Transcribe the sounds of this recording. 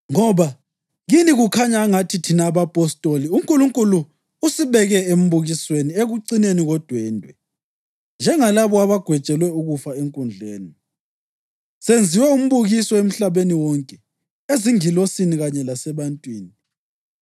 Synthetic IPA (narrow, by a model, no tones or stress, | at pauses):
ŋɔβa | ɣiniɣukʰaɲaːŋatʰitʰinaːβapʼɔstʼoliuŋkʼuluŋkʼuluː | siβɛɣɛem̩βuɣiswenieɣuǀineniɣɔd̥ʱwɛːndʱwɛ | nd͡ʒʱɛŋalaβɔaβaɡ̥ʱwɛt͡ʃʼɛlwɛuɣufaeŋkʼund͡ɮʱeːni | send͡zʱiwɛum̩βuɣisɔem̩ɬaβeniwɔŋkʼɛ | eziŋilosiniɣaɲɛlasɛβantʼwiːni